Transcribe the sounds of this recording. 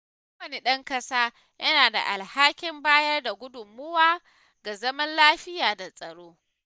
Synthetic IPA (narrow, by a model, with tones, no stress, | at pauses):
u˦wɐ˨ni˦˨ɗɐ˦ŋkɐ˦saː˦ | jɐ˦naː˨da̰˨ʔa˨lhaː˦kʲɪ˦mbaː˦jɐ˦rda˨ɡʷʊ˦dʊ˨mːʊ˦waː˦ | ɡa˨zɐ˦mɐ˦nlaː˦ɸɪ˦jaː˨da˨sʼɐ˨ɽoː˦